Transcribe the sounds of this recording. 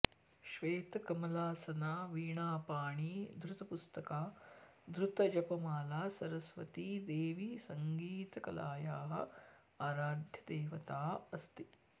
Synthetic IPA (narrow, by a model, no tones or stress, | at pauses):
ʃʋeːt̪ɐkɐmɐlaːsɐnaːʋiːɳaːpaːɳiːd̪ɾut̪ɐpust̪ɐkaː | d̪ɾut̪ɐd͡ʒɐpɐmaːlaːsɐɾɐsʋɐ̰t̪iːd̪eːʋisɐŋɡiːt̪ɐkɐ̰laːjaːɦɐ̰̆ | aːɾaːd̪ʱjɐd̪eːʋɐt̪aːɐst̪i